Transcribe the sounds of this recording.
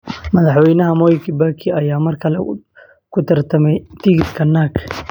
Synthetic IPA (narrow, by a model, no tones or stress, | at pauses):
mɐðɐħwɛjnɐɦɐmɔːjkʰibakʰiɐjaːmɐrkʰɐlɛ̰ | kʰʊt̪ʰɐɾt̪ʰɐmɛjt̪ʰɪɡɪd̪kʰɐnːaːk